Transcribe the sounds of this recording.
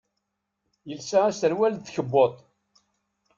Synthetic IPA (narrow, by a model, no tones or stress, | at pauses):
jəlsaæsəɾwælθçəbːot̪ˤ